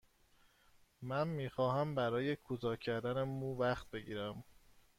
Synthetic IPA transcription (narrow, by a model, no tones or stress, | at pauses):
mænmiːxɒːɦæmbæɾɒːje̞kʰut̪ʰɒːcʰæɾd̪ænemuːvæxt̪̚be̞ɟiːɾæm